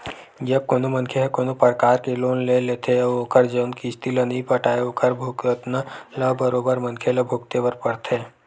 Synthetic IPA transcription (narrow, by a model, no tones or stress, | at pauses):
d͡ʒɐb̚koːnomɐnkʰeɦɛkoːnopəɾkaːɾkeloːnleleːt̪ʰeoːkʰəɾd͡ʒɐnkist̪ilənɐɦĩpɐʈaːeoːkʰəɾbʱʊkt̪nələbəɾoːbəɾmɐnkʰeləbʱʊkt̪eʋɐɾpɐɽt̪ʰeː